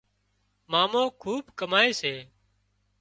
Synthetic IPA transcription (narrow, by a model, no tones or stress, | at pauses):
maːmõːkʰuːbkəmaːeːseː